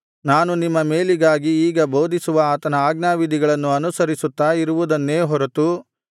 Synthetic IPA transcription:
naːnunimːɐme̞ːliɡaːɡiːɡɐbo̞ːd̪isuʋɐaːt̪ɐnɐaːɡnaːʋid̪ʱiɡɐɭɐnːuɐnusɐɾisut̪ːaːiɾuʋud̪ɐnːeːɦɔɾɐt̪u

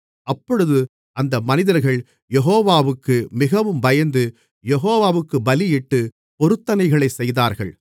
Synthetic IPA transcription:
ɐpːɔɻɯðɯ | ʔɐnd̪ɐmɐnɪðɐɾɣɐɭ | jɛɦoːʋaːʋɯkːɯmɪɣɐʋɯmbɐjɐnd̪ɯ | jɛɦoːʋaːʋɯkːɯbɐlɪjɪʈːɯ | pɔɾɯt̪ːɐnɐɪɣɐɭɐɪsɛjðaːɾɣɐɭ

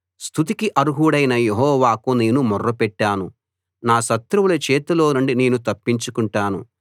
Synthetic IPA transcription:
st̪ʰut̪̬ikiʔɐɾuɦuɽɐjnɐjeɦɔːʋaːkuneːnumɔrːɐpɛʈːaːnu | naːʃɐt̪ɾuwulɐt͡ʃɛːt̪ɐlo̞ːnuɳɖine̞ːnut̪ɐpːiɲt͡ʃukuɳʈaːnṵ

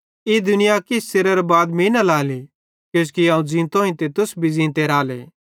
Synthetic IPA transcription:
id̪ʊnɪjakɪsseɾɐɾbaːd̪mĩnɐlaːli | kjõːskiãːũd͡zĩːnt̪õĩt̪et̪ʊsbʱid͡zĩːnt̪eɾaːlḛː

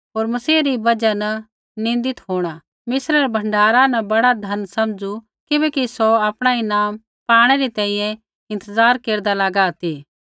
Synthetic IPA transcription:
ɦoːɾmɐsiːɾibɐd͡ʒanɐ | nɪ̃nd̪ɪt̪ɦoːɽ̃a | mɪsɾəɾbʱɐ̃ɳɖaːɾanɐbɐɽad̪ʱɐnsɐmd͡ʒu | kɪbɛːkisoaːpɽ̃ainaːm | paːɽ̃ɛɾit̪ɛ̃ːĩjɛ̃ | ɪ̃nt̪əzaːɾkeːɾd̪alaɡaːt̪iː

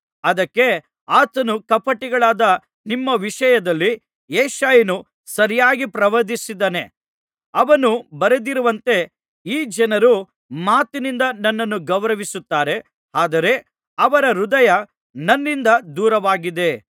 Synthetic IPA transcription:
ɐd̪ɐkːe̞ | aːt̪ɐnukɐpɐʈːiɡɐɭaːd̪ɐ | nimːɐʋiʂɐjɐd̪ɐlːi | eːʃaːjɐnu | sɐɾijaːɡipɾɐʋɐd̪isid̪ɐne̞ | ɐʋɐnubɐɾed̪iɾuʋɐnt̪e̞ | iːd͡ʒɐnɐɾu | maːt̪inind̪ɐnɐnːɐnːuɡɐʋɾɐʋisut̪ːaːɾe̞ | aːd̪ɐɾe̞ | ɐʋɐɾɐɾud̪ɐjɐ | nɐnːind̪ɐd̪uːɾɐʋaːɡid̪e̞

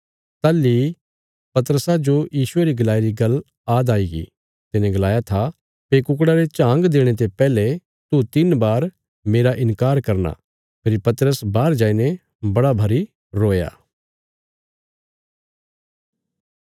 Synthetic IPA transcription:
t̪alːi | pɐt̪əɾəsad͡ʒojiːʃʊeɾiɡɐlaːiɾiɡɐl | aːd̪aːiɡḭ | t̪ɪnẽɡɐlaːjat̪ʰa | peːkʊk̬ɽaɾet͡ʃãːŋɡd̪eːɽ̃et̪̬epɛːle | t̪ut̪ɪnbaːɾ | meːɾaʔɪ̃nkaːɾkɐɾna̰ | pʰɪɾpɐt̪əɾəsbaːɾd͡ʒaːinẽ | bɐɽabʱɐɾi | ɾoːja̰ː

